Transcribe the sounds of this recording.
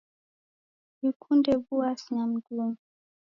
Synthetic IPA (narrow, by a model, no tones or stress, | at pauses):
wikʰundɛvuasɲam̩ɡum